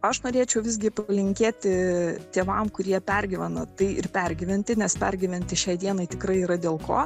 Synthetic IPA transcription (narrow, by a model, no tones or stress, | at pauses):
ɐʃnoːɾʲeːt͡ʃʲɛʊʋʲɪzʲɡʲɪplʲɪŋʲkʲeːt̪ʲɪt̪ʲeːʋɐmkʊɾʲiɛpʲɛɾʲɡʲɪʋʲɛnɐt̪ɐɪʔɪ̰rpʲɛrʲɡʲɪʋʲɪnʲt̪ʲɪnʲɛspʲɛɾʲɡʲɪʋʲɛnʲt̪ʲɪʃʲɛɪd̪iɛnɐɪt̪ʲɪkɾɐɪiːɾɐd̪ʲeːlˠko̰ː